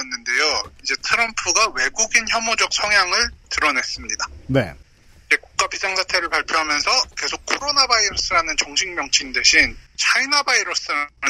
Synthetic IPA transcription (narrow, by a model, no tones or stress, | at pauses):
enːɯnde̞joid͡ʑe̞tʰɯɾʌmpʰuɡawe̞ɡuɡinçjʌmod͡ʑʌk̚sʰʌŋjaŋɯɭtɯɾʌne̞s͈ɯmɲidanḛ | id͡ʑe̞kuk̚k͈apisʰaŋsʰatʰe̞ɾɯɭpaɭpʰjoɦamjʌnsʰʌke̞sʰok̚kʰoɾonabaiɾos͈ɯɾanɯnt͡ɕʌŋɕʰiŋmjʌŋt͡ɕʰinde̞ɕʰint͡ɕʰainabaiɾos͈ɯɾanɯ